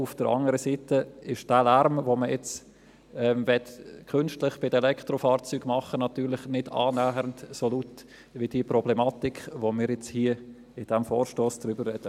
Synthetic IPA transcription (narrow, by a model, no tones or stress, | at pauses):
ʊfd̥əɾɑ̰ŋəɾəsiːtəɪʃd̥æːlæɾmvoməjɛt͡s | ɛːmvɛtkʰʏnʃtlɪχb̥ɪdɛlɛkʰtɾofɑːɾt͡syːɡ̥mɑχənɑt̪yːɾlɪχnɪdɑ̰ːnæːhəɾəntsoluːt | ʋɪd̥iəprɔblɛmɑːtikʋomɪːɾjɛt͡shiːə | ɪd̥ɛmfoːɾʃtoːsd̥̪ɾybəɾrɛd̥ə